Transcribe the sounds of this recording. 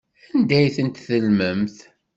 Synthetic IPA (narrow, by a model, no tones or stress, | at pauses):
ænd̪æjθənt̪θəlməmθ